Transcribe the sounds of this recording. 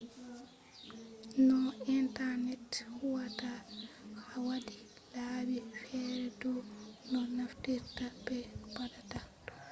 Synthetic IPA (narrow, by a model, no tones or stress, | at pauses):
nɔintaɾnɛthuwatahawadi | laːbifɛɾɛdɔnɔnaftiɾtabɛbadatadɔ